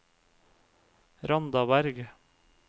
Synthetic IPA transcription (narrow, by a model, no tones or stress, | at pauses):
ɾɑnd̪ɑbæɾɡ